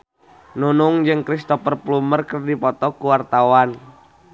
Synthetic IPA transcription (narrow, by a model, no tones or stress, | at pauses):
nunuŋd͡ʒɨŋkɾist̪ɔfərplumərkərdipɔt̪ɔkuwart̪awan